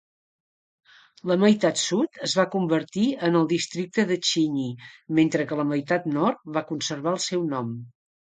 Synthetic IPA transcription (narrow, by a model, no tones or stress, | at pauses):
ləməjt̪at̪sut̪əzβakumbərt̪iənəlˠd̪ist̪ɾik̚t̪əðət͡ʃiɲiment̪ɾəkələməjt̪at̪nɔrt̪̚βakunsərβaəlˠsɛwnɔm